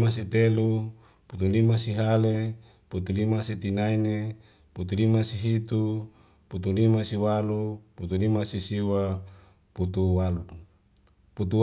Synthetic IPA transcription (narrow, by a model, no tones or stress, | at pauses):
masit̪elu | put̪ulimasiɦale | put̪ulimasit̪inaine | put̪ulimasiɦit̪u | put̪ulimasiwaluput̪ulimasisiwa | put̪uwalu | put̪u